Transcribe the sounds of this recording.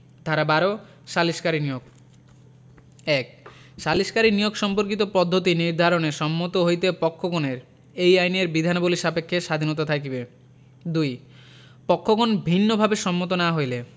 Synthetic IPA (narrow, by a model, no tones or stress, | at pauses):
d̪ʱaɾabaɾo | ʃaliʃkaɾinijoɡ̚ | ɛkʃaliʃkaɾinijoɡʃɔmpoɾkit̪opɔd̪ʱːot̪iniɾd̪ʱaɾoneʃɔmːot̪oɦojt̪epɔkʰːoɡoneɾ | ejajneɾbid̪ʱanoboliʃapekʰːeʃad̪ʱinot̪̬at̪ʰakibe | d̪uj | pɔkʰːoɡonbʱinːobʱabeʃɔmːot̪onaɦojle